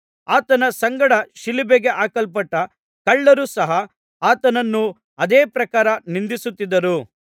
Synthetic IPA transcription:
aːt̪ɐnɐsɐŋɡɐɽɐʃilibeɡe̞ʔaːkɐlpɐʈːɐ | kɐɭːɐɾuːsɐɦɐ | aːt̪ɐnɐnːu | ɐd̪eːpɾɐkaːɾɐnind̪isut̪ːid̪ːɐɾu

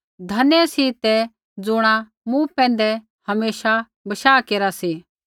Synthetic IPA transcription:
d̪ʱɐnjɛsit̪ɛ | d͡zʊɽ̃a | mũpɛ̃ːn̆d̪ɛ | hɐmeːʃa | bɐʃaːkeːɾasi

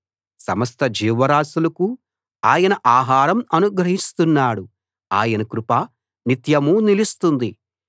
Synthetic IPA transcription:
sɐmɐst̪ɐd͡ʒiːʋɐɾaːsulɐku | aːjɐnɐʔaːɦaːɾɐmɐnuɡɾɐɦist̪unːaːɽu | aːjɐnɐkɾupaː | nit̪jɐmuːnilist̪und̪i

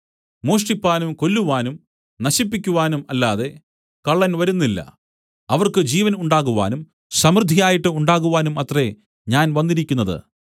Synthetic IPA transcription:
moːʂʈipːaːnumko̞lːuʋaːnum | nɐɕipːikʲːuʋaːnumɐlːaːðe̞ | kɐɭːɐnʋɐɾunːilːɐ̰ | ɐʋɐrkɨd͡ʑiːʋɐnuɳɖaːɣuʋa̰ːnum | sɐmrɨd̪ʱːijaːjiʈːɨuɳɖaːɣuʋaːnumɐt̪re̞ | ɲaːnʋɐnːiɾikʲːunːɐðɨ̰

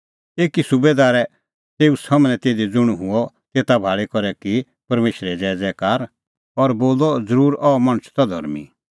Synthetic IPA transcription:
eːkisʊbed̪aːɾɛ | t̪eːusɐmnɛ̃t̪eːd̪id͡zʊɽ̃ɦʊɔ | t̪eːt̪abʱaːɭekɔɾɛki | pɐɾmeːʃɾɛd͡zɛːd͡zɛːkaːɾ | ɔɾboːlɔd͡zəɾuːɾɔmɐɽ̃əsʰt̪ɔd̪ʱɔ̰ɾmḭ

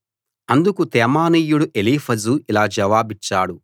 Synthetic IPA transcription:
ɐnd̪ukut̪ɛːmaːniːjuɽuʔeliːpʰɐzuilaːd͡ʒɐʋaːbit͡ʃːaːɽu

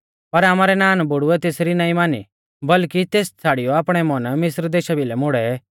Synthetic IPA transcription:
pɐɾaːmaːɾɛnaːnbʊɽʊɛt̪eːsɾinaːĩmaːnḭ | bɐlkit̪eːst͡sʰaːɽijɔaːpɽ̃ɛmɐnmɪsɾd̪eːʃabilɛmʊɽɛ

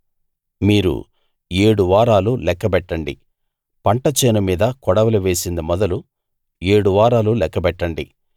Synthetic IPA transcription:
miːɾṵ | eːɽuʋaːɾaːlulɛkːɐbɛʈːɐɳɖḭ | pɐɳʈɐt͡ʃeːnɐmiːd̪ɐkɔɽɐʋɐlɐʋe̞ːsind̪imɔd̪ɐlu | e̞ːɽuʋaːɾaːlulɛkːɐbɛʈːɐɳɖḭ

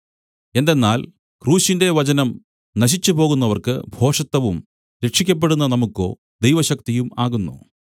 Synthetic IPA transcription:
e̞nd̪enːaːl | kruːɕinde̞ʋɐt͡ɕɐnɐm | nɐɕ̬it͡ɕːupo̞ːɣunːɐʋɐrkɨ̰bʱo̞ːʂɐt̪ːɐʋum | ɾe̞kʂikʲːɐp̬ːe̞ɽunːɐnɐmukːo̞̰ː | d̪ejʋɐɕɐk̚t̪ijumaːɣunːṵ

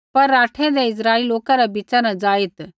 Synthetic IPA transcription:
pɐɾːaːʈʰɛ̃d̪ɛɪs̬ɾaːɪliloːkãɾabit͡ʃanad͡ʒaːɪt̪

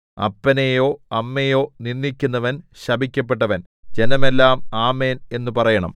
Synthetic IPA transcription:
ɐ̰pːɐnejo̞ːɐmːejo̞ːninːikʲːunːɐʋɐn | ɕɐbʱikʲːɐpːe̞ʈːɐʋɐn | d͡ʑe̞nɐme̞lːaːmaːmeːne̞nːupɐrɐjɐɳɐ̰m

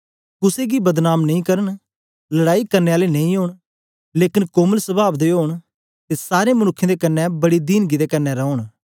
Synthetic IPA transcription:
kʊseɡibəd̪naːmnɐĩːkɐɾəɳ | lɐɽaːikɐɾneːaːlenɐĩɦoːɳ | leːkɪnkoːməlsəbaːbd̪eɦoːɳ̃ | t̪esaːɾemənʊkʰːẽd̪eːkɐnːɛbɐɽid̪iːnɡid̪ekɐnːɛɾɔoɳ̃

